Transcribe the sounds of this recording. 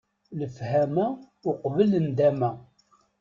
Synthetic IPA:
ləfhæmæ | ʊqvələnd̪æmæ

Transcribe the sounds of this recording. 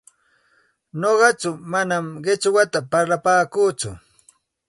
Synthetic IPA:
ɲoɢɑt͡ʃʊmanamɢɪt͡ʃwat̪apaɾlapaːkuːt͡sʊ̰

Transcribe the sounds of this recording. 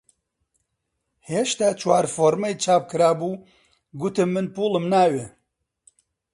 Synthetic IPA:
heʃt̪aːt͡ʃʰwaːɾfoːɾmejt͡ʃʰaːp̚kɨɾaːbuː | ɡʊt̪ɨmːɨnpuːlɨmnaːwe

